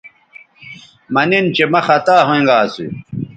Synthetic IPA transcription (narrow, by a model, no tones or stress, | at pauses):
mɐnint͡ɕemɐxɐt̪aːɦoĩŋɡaːsṵ